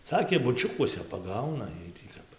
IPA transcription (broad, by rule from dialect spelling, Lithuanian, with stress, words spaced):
ˈsɑːkʲeː bʊˈt͡ʃʲʊkuɔsʲɛ pɐˈɡɐʊnɐ ˈjiɛj tʲiː ˈkɐp